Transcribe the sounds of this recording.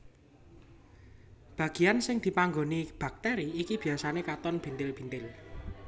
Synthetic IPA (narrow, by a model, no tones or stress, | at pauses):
b̥ä̤ɡ̥i̤ansɪŋd̪̥i̤paŋɡonib̥a̤k̚t̪ɛɾiːkib̥i̤jasanekat̪ɔnb̥i̤nt̪ɪlb̥i̤nt̪ɪl